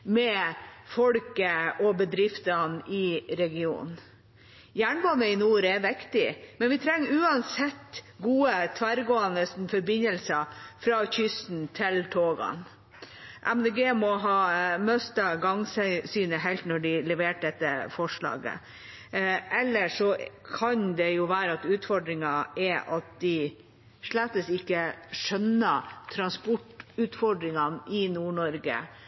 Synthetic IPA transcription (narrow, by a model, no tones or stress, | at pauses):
mɛfɔɽkəɔbəd̪ɾɪft̪ɑnɪɾɛɡɪṵːn | jæːɳbɑnəɪnuːɾɛʋɪkt̪ɪmɛnʋɪt̪ʰɾɛŋːʉːɑnsɛt̪ːɡuːət̪ʰʋæɾɡoːənəsn̩fɔɾbɪnəlsəfɾɑːçʏst̪n̩t̪ʰɪlt̪ʰoːɡɑ̰n | ʔæmd̪eːɡeːmɔɦɑːmœst̪ɑɡɑŋsɛsyːnəɦɛɪlt̪nɔɖɪlɛʋeːʈ̚d̪ɛt̪ːəfɔʂɭɑ̰ːɡə̰ | ʔɛlːəʂɔkʰɑnd̪ɛjʊʋæːɾəɑt̪ʉːt̪fɔɖɾɪŋɑʔɛʔɑt̪̚d̪ɪ | ʂɭæt̪ːəsɪkːəʂœnːət̪ʰɾɑnspɔʈʉːt̪fɔɖɾɪŋɑnɪnuːɳɔɾɡə̰